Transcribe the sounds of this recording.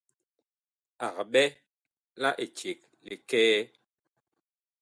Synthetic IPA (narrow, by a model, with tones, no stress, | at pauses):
a˨k̚ɓɛ˦ | la˦ʔe˨t͡ʃje˨k̚ | le˨kɛː˦